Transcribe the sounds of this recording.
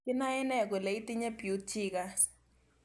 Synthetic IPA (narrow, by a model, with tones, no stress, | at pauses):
ki˦na˦ɛ˦nɛ˦˨k̬ɔ˨le˨i˦ti˦ɲɛ˦b̥ʱi˨u˨˦tʰiː˦kas